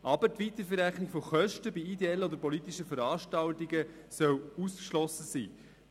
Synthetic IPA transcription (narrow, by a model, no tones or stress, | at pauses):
ʔɑbəɾtʋit̪əɾfəɾæχnɪɡfoχœʃtəbiid̪eɛlːənɔd̪əɾpɔlit̪iʃəfəɾɑːʃtɑltiɡə | sœwuskʃlɔsəsḭː